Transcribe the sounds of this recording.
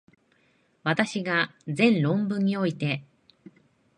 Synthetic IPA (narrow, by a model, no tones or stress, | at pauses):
βat̪aɕiɡad͡zẽ̞nɾõ̞mbɯ̟̃ɲ̟ːio̞it̪e̞